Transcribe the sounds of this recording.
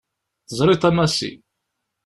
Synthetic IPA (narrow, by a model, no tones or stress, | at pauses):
θəzˤɾˤɪt̪ˤæmæsḭ